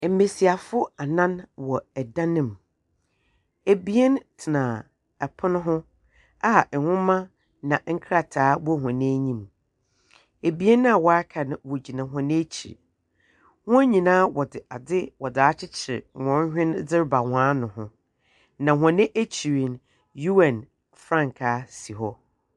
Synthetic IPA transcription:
m̩˨me˨si˨a˨fʊ˦a˨nã˦nwɔ˨ɛ˨dã˦nɪ̃˦m | e˨bi˦e˦ntʰɪ˨nã˨ | ɛ˨pʰʊ˦nʊ̃˦ɦʊ̃˦ | a˦˨hʊ̃˦mã˦ | nã˨ŋ̩˦kʰɾa˨tʰaː˨˦wɔ˦ɦã˨nɪ̃˦ɲĩ˦m | e˨bi˨˦e˦n˦a˨wɔ˨a˦kʰa˨nã˨wɔ˨d͡ʑi˨nã˨ɦɔ̃˨nɪ̃˦t͡ɕʰḭ˨ɾ | hʊ̃˦æ˦ɲĩ˨nãː˦wɔ˨dɪ˨ʔa˨dɪ˦wɔ˨dɪ˨a˦t͡ɕʰɪ˦t͡ɕʰɪ˨ɾɪ˨wɔ̃˨n˦hᶣɪ̃˦nd͡zɪ˦ɾba˨wãː˨˦nʊ̃˨hʊ̃˦ | nã˨ɦã˨nɪ̃˦ʔæ˦t͡ɕʰi˨ɾi˨n | ju˦ɛ̃˨n | fɾã˦˨ŋ˨kʰaː˨˦si˨ɦɔ˦

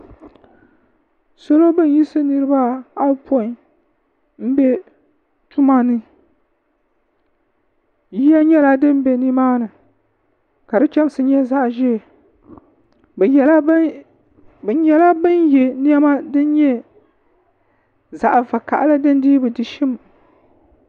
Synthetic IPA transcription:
so˦lo˦bɨ˦n˦ji˦sɨ˦nɨ˦ɾɨ˦ba˦a˦po˦i˨ | m̩˦bɛ˦ | tu˦ma˦nɨ˦ | ji˦ja˦ɲɛ˦la˦dɨ˦m˦bɛ˨ni˦maː˦nɨ˨ | ka˨dɨ˦t͡ʃɛ˦m˦sɨ˦ɲɛ˦za˦ʔʒɛ˦˨ | bla˦ | bjɛ˦la˦bɨ˦njɛ˨ni˦ɛ˦ma˦dɨ˦n˦ɲɛ˦ | za˨ʔva˨ka̰˨ʔa˦lɨ˦dɨ˦n˦diː˦bɨ˨dɨ˨ʃɪ˦m

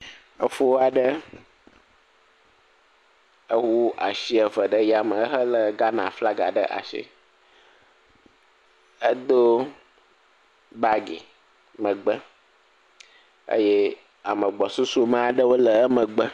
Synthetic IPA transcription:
ə˦fo˦wa˨ɖə˦ | ə˦wu˦ʔa̰˨ʃi˦ə˨və˨ɖə˦ja˨mə̃˨ə˦ɦə˦lə˨ɡa˦nã̰˨fla˦ɡa̰˨ɖə̰˦ʔa̰˨ʃḭ˦ | ə˦d̪o˦ | ba˦ɡḛ˨ | mə̃˨ɡ͡bə˦ | ə̰˦je˦ | a˨mə̃˨ɡ͡bɔ˨su˦su˦mã˦a˨ɖə˦wo˦lə˨ə˦mə̃˨ɡ͡bə˦

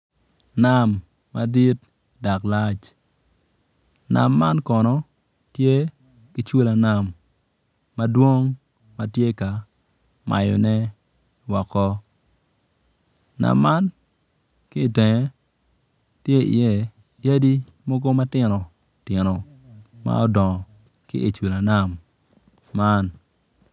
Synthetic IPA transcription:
na˨mː | a˨di˦t̚ | da˨kla˦t͡ʃ | na̰˨mːa˦nkɔ˨nɔ˦ | tje˦ | ki˦t͡ʃwo˦la˨na˨mː | a˦dwo˦ŋ | ma˦tje˦ka˨ | ma̰˨jɔ̰˨nɛ˦ | wɔ˨kɔ˦ | na̰˨mːa˦n | ki˦˨te˨ŋe˨˦ | tje˦ḭ˨jɛ˨ | ja˦di˦ | mɔ˦ɡo˦ma˦tɪ˨nɔ˨ | tɪ˨nɔ˨ | ma̰˦ɔ˦dɔ˨ŋɔ˨ | kɪ̰˦ʔi˨t͡ʃwu˨la˨na˨mː | a˦n

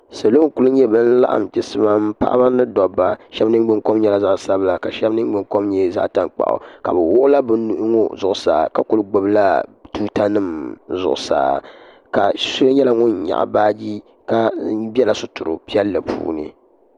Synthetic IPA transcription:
sa˨lo˦ŋ˦ku˦lʊ˦ɲɛ˦bɨ˦n̩˦la̰˦ʔa̰˦˨m˨tɪ˦sɨ˦ma˦m̩˦pa̰˦ʔba˦nɨ˦dɔ˨bːa˨ʃɛ˦bnɨ˦ɡ͡bɨ˦ŋko˦mɲɛ˦la˦za˦ʔsa˦bla˨ka˨ʃɛ˦bnɨ˦m˦ɡ͡bɨ˨ŋko˦mɲɛ˦za̰˦ʔta˦ŋk͡pa̰˨ʔʊ̰˨ka̰˨bɛ˨wʊ˦ʔʊ˦la˦bɨ˦nu˦ʔŋo˦zʊ˨ʔʊ˨sa̰ː˨ka˦kʊ˦lɨ˦ɡ͡bo˦bla˦tuː˦ta˦nɨ˦˨mzʊ˨ʔʊ˨sa̰ː˨ | ka˨su˦lɨ˦ɲɛ˦la˦ŋʊ˦nɲa̰˨ʔbaː˦d͡ʒi˦ | ka˦bɛ˦la˨˦sʊ˦tʊ˨ɾʊ̰˨pi˦ɛ˦lːɨ˨pʰṵː˦nɨ̰˦

